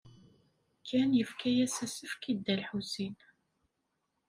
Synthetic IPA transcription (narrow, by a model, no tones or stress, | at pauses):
kʰːænjəfkæjæsæsəfkid̪ːælħusin